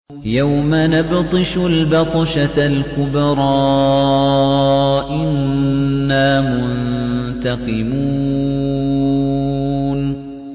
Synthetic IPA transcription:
jawmanabt̪ˤɨʃʊlbɑt̪ˤɑʃalkʊbɾˤɑː | ʔɪnː | aːmʊʊnt̪aqɨmuː | n

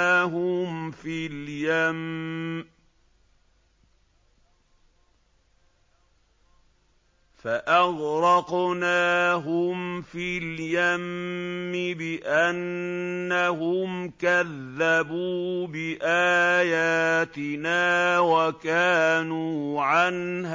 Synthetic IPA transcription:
ɦʊmfiljam | faʔaɣɾɑqnaːɦʊmfiljamː | ɪbɪʔanː | aɦʊmkaðːabuːbɪʔaːjaːt̪ɪnaːwakaːnuːʕanha

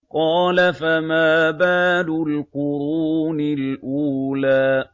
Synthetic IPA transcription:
qɑːlafamaːbaːd̪ʊlqʊɾuːnɪlʔuːlaː

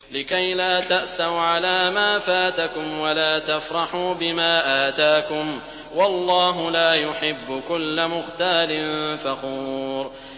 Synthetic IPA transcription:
lɪkajlaːt̪aʔsawʕalaːmaːfaːt̪akʊmwalaːt̪afɾˤɑħuːbɪmaːʔaːt̪aːkʊm | wɑlˤːɑːɦʊlaːjʊħɪbːʊkʊlːamʊxt̪aːlɪnfɑquːɾ

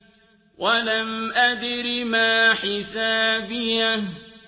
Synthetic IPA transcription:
wʔalamʔad̪ɾimaːħɪsaːbɪja

